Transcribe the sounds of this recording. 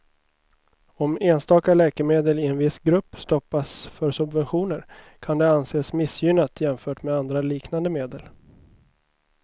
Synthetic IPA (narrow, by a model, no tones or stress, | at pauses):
ɔmeːnst̪ɑːkalɛːkəɾmeːd̪əlɪɛnvɪsɡɾɵpːst̪ɔpːasfœɾsɵbvɛnɧuːnəɾ | kʰand̪ɛanseːsmɪsjʏnat̪ʰjɛmfœːʈmɛand̪ɾaliːknand̪əmeːd̪əl